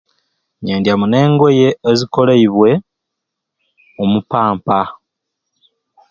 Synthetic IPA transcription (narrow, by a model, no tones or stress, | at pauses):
ɲeːndjamune̞ːŋɡwo̞je̞ːziko̞leiβwe̞ | omupaːmpa